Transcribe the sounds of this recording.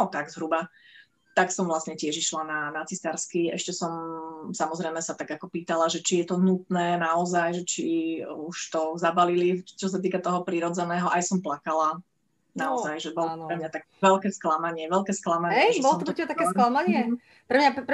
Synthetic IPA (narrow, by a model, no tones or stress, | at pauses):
nɔt̪aɡzɦɾuba | t̪aksɔmvlasɲɛcɪɛʒiʃlananat͡sisaɾskiɛ̰ʃcɛsɔmsamɔzɾɛjmɛsat̪aɡakɔpiːt̪alaʒɛt͡ʃijɛt̪ɔɦnut̪nɛːnaɔzajʒɛt͡ʃiuʃt̪ɔzabalilit͡ʃɔs̬at̪̬iːkat̪ɔɦɔpɾiɾɔd͡zɛnɛːɦɔʔajsɔmplakala | naɔzajʒɛbɔlpɾɛmɲat̪ak̚ɛʋɛlkɛːsklamaɲɪɛʋɛlkɛːsklamaɲɛɛbɔlɔtmɔpɾɛcɛbat̪akɛsklamaɲɪɛ | pɾɛmɲap